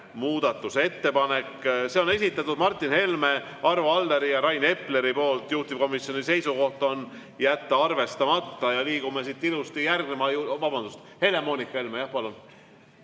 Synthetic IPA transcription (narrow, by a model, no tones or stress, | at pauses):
muːd̪̥ɑt̪ːˑuse̞t̪ːe̞pɑne̞kːse̞o̞ne̞s̬ʲit̪ːˑɑt̪ːˑud̪mɑrt̪ːˑinhe̞lme̞ | ʔɑrvoɑld̪e̞ɾijɑɾɑjne̞pːle̞ɾipo̞ːlt̪juht̪ip̚ko̞misio̞nise̞jsuko̞ht̪o̞n | jæt̪ːɑɑrve̞st̪ɑmɑt̪ːɑjɑliːɡ̥umesit̪ːˑilust̪ijærɡnemɑjuvɑbɑnd̪̥ust̪ | he̞le̞mo̞ːnikːˑɑe̞lmejɑhpɑlun